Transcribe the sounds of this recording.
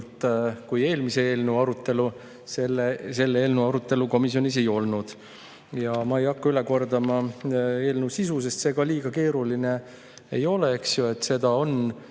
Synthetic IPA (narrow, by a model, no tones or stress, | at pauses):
t̪kuje̞ːlmisee̞ːlneɑɾut̪ːˑe̞lu | selese̞lːeeːlnuɑɾut̪ːˑe̞luko̞misjo̞nise̞jo̞lnud̪̥ | jɑmɑe̞jɑkːɑyle̞ko̞rd̪ɑmɑe̞ːlnusisuse̞st̪se̞ːɡ̥ɑliːɡ̥ɑke̞ːɾuline̞ | ejo̞le̞eksjue̞t̪ːse̞d̪̥ɑo̞n